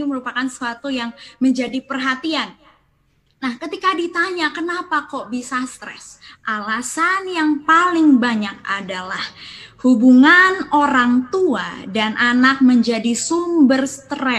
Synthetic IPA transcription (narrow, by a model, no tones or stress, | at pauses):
uməɾupakansəuat̪ujaŋməɲd͡ʒadipərɦat̪ian | nahkət̪ikadit̪aɲakənapakɔʔbisast̪ɾɛ̰sʔalasanjaŋpalɪŋbaɲak̚a̰dalahhubuŋanoɾaŋt̪ua̰danʔanak̚məɲd͡ʒadisumbərst̪ɾɛ